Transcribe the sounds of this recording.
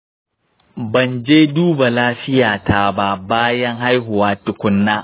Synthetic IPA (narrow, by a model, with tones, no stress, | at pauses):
bɐ˨nd͡ʒeː˦duː˦ba˨laː˦ɸɪ˦jaː˨tʰa˦ba˦baː˦jɐ˦ŋɦa˦jɦʊ˨waː˦tʊ˨kʷʊ˦nːaː˦